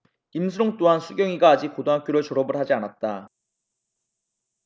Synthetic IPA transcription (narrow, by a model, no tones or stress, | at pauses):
imsʰɯɾoŋt͈oɦansʰuɡjʌŋiɡaːd͡ʑik̚kodoŋɦak͈joɾɯɭt͡ɕʌɾʌbɯɭɦad͡ʑianat̚t͈a